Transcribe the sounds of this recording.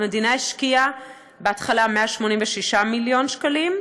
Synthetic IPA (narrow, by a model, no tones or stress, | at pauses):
medinaiʃkia | beatχalameaʃmo̞nimveʃiʃamiljo̞nʃkalim